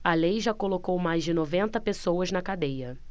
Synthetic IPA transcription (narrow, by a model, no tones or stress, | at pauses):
ɐlejʒakolokowmajzd͡ʒɪnovẽnt̪ɐpesowɐznɐkad̪ejɐ